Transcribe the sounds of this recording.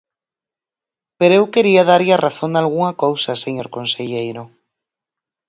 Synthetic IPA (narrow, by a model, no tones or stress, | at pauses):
peɾoewkeɾiaðaɾʎarʔaθond̪alɣuŋɐkowsaseɲoɾkonseʎejɾo